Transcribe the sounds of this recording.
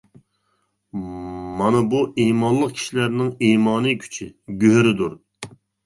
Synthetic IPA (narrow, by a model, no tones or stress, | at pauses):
mɑnɨbuʔimɑnlˠəq̚kʲʰi̥ʃilæɾnɪŋiːmɑːnɨkʲʰy̥t͡ʃʰɪɡʲøɦɾɪd̪uɾ